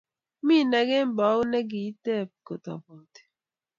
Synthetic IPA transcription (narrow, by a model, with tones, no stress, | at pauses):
mi˦˨nɛ˨˦ɡɛ˦m˦bɔ˨˦knɛ˦ɡi˨˦tɛ˦˨p̚ko˨t̪ɔ̰˨bɔ˨t